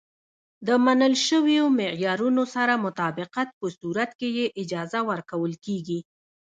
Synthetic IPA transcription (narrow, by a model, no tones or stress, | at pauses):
d̪əmanəlʃəwjomɪjɑɾunosaɾamʊt̪ɑbɪqat̪̚pəsuɾat̪kejeʔɪd͡ʒɑzawəɾkawəlkeɡi